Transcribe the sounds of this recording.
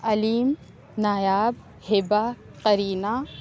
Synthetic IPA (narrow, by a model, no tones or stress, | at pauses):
ɐliːm | naːjaːb | hɪba | qɐɾiːna